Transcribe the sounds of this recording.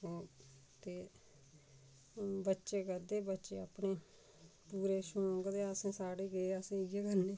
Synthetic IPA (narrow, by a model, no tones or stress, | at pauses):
oː | t̪eː | bətːʃeːkəɾd̪eːbətːʃeːəpɳeː | puːɾeːʃõːɡd̪eːəsẽːsaːɽeːɡeːəsẽɡeːkəɾneː